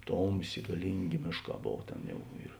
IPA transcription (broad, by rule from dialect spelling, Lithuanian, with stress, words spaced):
ˈtoːmʲˌsʲeː ɡɐˈlʲiːŋʲˌɡʲeː ˈmʲeːʃˌkɑː ˈboːw ˈtʲeːn ˈjɛʊ ɪr